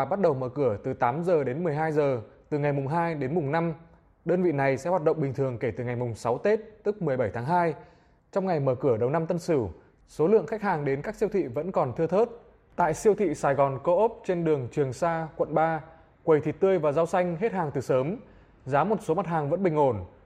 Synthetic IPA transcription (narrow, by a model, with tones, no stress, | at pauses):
ɓa˦˥t̚ɗə˨˩wməː˧˩kɨ˧˩ət̪ɨ˨˩t̪aː˨˦mzəː˨˩ɗe˨˦nmɨ˨˩əjɦaː˧jzəː˨˩t̪ɨ˨˩ŋa˨˩jmʊ˨˩ŋ͡mɦaː˧jɗe˨˦nmʊ˨˩ŋ͡mna˧m | ɗəː˧nvḭ˧˨na˨˩jsɛ̰˥hwaː˨˩ɗə̰˧˨ŋ͡mɓï˨˩ŋ̟t̪ʰɨ˨˩əŋke˧˩t̪ɨ˨˩ŋa˨˩jmʊ˨˩ŋ͡msa˨˦wt̪e˦˥t̚t̪ɨ˦˥k̚mɨ˨˩əjɓə˧˩jt̪ʰaː˨˦ŋɦaː˧j | t͡ɕɔ˧wŋ͡mŋa˨˩jməː˧˩kɨ˧˩əɗə˨˩wna˧mt̪ə˧nsɨ˧˩ | so˨˦lɨ̰˧˨əŋxa˦˥k̚haː˨˩ŋɗe˨˦nkaː˦˥k̚si˧wt̪ʰḭ˧˨və̰˧˥nkɔ˨˩nt̪ʰɨ˧ət̪ʰəː˦˥t̚ | t̪a̰ː˧˨jsi˧əwt̪ʰḭ˧˨saː˨˩jɣɔ˨˩nko˧ʔo˦˥p̚t͡ɕe˧nɗɨ˨˩əŋt͡ɕwi˨˩əŋsaː˧kwə̰˧˨nɓaː˧ | kwə˨˩jt̪ʰi˨˩t̪ɨ˧əjvaː˨˩zaː˧wsa˧jŋ̟ɦe˦˥t̚haː˨˩ŋt̪ɨ˨˩səː˨˦m | zaː˨˦mo˨˩t̚so˨˦ma˨˩t̚haː˨˩ŋvə̰˧˥nɓï˨˩ŋ̟ho˧˩n